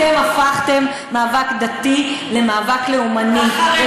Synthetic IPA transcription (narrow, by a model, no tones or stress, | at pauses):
emafaχt̪e̞mːaːvakd̪at̪ile̞maːvakle̞umani